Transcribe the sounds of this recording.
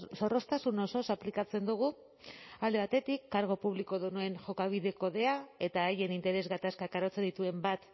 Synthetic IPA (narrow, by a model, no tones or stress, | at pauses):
so̞ro̞st̪asuno̞so̞saplikat͡se̞nd̪uɣ̞u | ald̪e̞βat̪e̞t̪ikːaɾɣ̞o̞puβ̞liko̞ðunue̞nʝo̞kaβ̞iðe̞ko̞ðe̞ae̞t̪aːje̞nint̪e̞ɾe̞zɣat̪askakaɾo̞t͡se̞nd̪it̪ue̞mbat̪